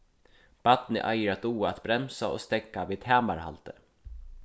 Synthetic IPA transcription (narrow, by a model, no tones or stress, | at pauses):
b̥at̪nə̰ʔæjɾat̪uːat̪bɾɛmsao̰ːst̪ɛkːaʋiːt̪hæːmaɾha̰lt̪ə